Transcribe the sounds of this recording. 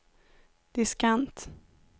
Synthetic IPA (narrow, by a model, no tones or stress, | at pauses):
d̪̥ɪskant̪